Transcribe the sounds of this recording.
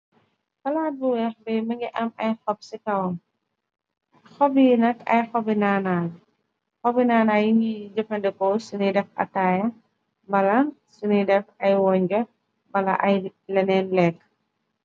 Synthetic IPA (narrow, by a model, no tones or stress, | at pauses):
fɐlaːt̚buwɛxbɛjmɐŋɡiʔɐmɐjxɔb̚sikɐwm | xɔbinɐkɐ̰jxɔbinaːnaːj | xɔbinaːnaːjiŋid͡ʒɐfɐndɛkɔsunidɛfɐ̰taːjɐ | bɐlɐsunidɛfɐjwɔɲd͡ʒɔ | bɐlɐ̰ʔɐjlɛnɛːnlɛk